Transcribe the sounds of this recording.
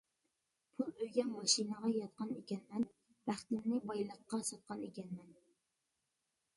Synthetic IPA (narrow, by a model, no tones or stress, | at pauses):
pʰulˠøjɡʲɛnmɑʃinəʁɑjɑt̪̚qʰɑnekʲɛnmɛn | b̥æχt̪ɪnnɪbɑjlˠəqːɑsɑt̪̚qʰɑnekʲɛnmɛn